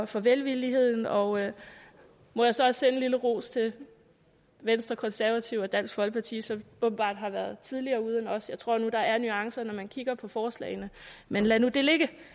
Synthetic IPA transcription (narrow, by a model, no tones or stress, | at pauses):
fɒ̽ʋelʋilihe̝ð̞̰ˠn̩ɒ̽ | mɒ̽jɑ̈sɒ̽ɒ̽ssen̩liləʁo̝̰ːst͡sʰe̝l | ʋensd̥ʁɐkʰɒ̽nsæɐʋæt͡sʰiʊ̰ɒ̽d̥æn̰sɡ̥fɒ̽lɡ̥̚pʰɑ̈t͡sʰḭːsɒ̽mʔɔ̽ːb̥̚n̩b̥ɑ̰̈ːd̥ɦɑ̈ʋæɐð̩ˠt͡sʰið̞ˠliɐːuð̞ˠenɒ̽sjɑ̈ɪt͡sʰʁo̝ɐ̰nud̥ɑ̈æɐnyɑ̈ŋsɐnɒmænkʰiɡ̥ɐpʰɒ̽fɒːslɛ̰ɪnəmenlænud̥e̝le̝ɡ̥ə